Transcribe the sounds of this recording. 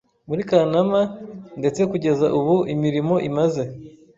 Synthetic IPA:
muɾikanamande̞t͡se̞kuɟe̞zaʔuβuʔimiɾimo̞ʔimaze̞

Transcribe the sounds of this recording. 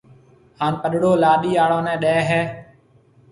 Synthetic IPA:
haːnpəɗɽoːlaːɗiːaːɽõːnɛ̃ːɗɛːɦɛː

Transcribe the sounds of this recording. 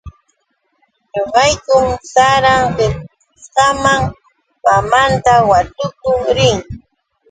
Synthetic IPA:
ɲoɢɑjkʊmsaɾaŋɢɪɾ | sqɑmaŋ | pamant̪awat̪ʊkʊɾɪŋ

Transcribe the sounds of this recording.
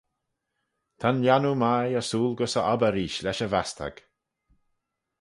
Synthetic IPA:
t̪ʰanljanumajəsuːlɡʊsəʔabəɾiːʃlɛʃəvast̪ʰə̰ɡ̥

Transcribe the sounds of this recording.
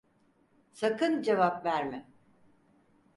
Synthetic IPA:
sakɯnd͡ʒevapvæɾmɪ

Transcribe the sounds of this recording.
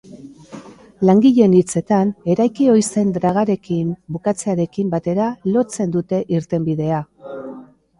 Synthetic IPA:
laŋɡiʎe̞nit͡se̞t̪ane̞ɾajkio̞jse̞nd̪ɾaɣ̞aɾe̞kimbukat͡se̞aɾe̞kimbat̪e̞ɾalo̞t͡se̞nd̪ut̪e̞ʔiɾt̪e̞mbiðe̞a

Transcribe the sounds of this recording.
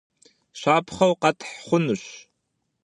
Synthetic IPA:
ʃʷaːpʰχɐwqɐtʰħχʷʊnɨɕ

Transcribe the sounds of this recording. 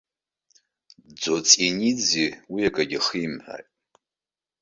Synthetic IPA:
d͡zot͡sʼinid͡ziwiakʼaɡʲɪχimħa̰tʼ

